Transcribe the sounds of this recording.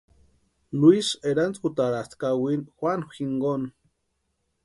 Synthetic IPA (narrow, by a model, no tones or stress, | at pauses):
luiseɾant͡skut̪aɾast̪kawinxwanxiŋɡon